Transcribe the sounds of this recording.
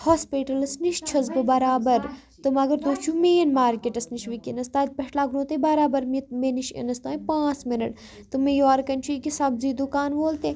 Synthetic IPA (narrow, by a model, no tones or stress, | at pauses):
hoːspiʈɐlɐsniʃt͡ʃʰɐzbɨbɐɾaːbɐɾ | t̪ɨmɐɡɐɾt̪uːt͡ʃʰumeːnmaːɾkeʈɐsniʃʋikinɐst̪aːt̪̚ʲpɐʈlaːɡɾõːt̪ebaɾaːbɐɾmit̪meniʃḛnɐst̪ãːipãːt͡smɪnɐʈ | t̪ɨmejaːɾkɐnt͡ʃʰuikisɐbziːd̪ukaːnʋoːlt̪e